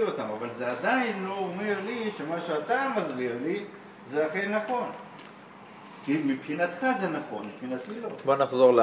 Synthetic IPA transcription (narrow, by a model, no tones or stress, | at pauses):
ot̪amavalzead̪ainlo̞ome̞ʁliʃe̞maʃat̪amazɡiʁli | zeaχe̞jnaχo̞n | kimipχinat̪χazenaχo̞̰nmipχinat̪ilo̞bonaχzo̞ʁl